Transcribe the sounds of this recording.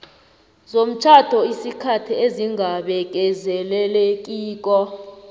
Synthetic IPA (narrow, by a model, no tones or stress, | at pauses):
zom̩t͡ʃʰad̥ʱɔisikʰatʰieziŋɡʱaɓɛk̬ɛzɛlɛlɛk̬ʼiːk̬ʼɔ